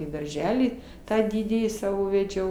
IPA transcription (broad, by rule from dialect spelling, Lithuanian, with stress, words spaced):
iː dɐrʲˈʒʲæːlʲiː ˈtɑː ˈdʲɪdʲiːjiː ˈsɑːʋoː ʋʲɛˈd͡ʒʲɛʊ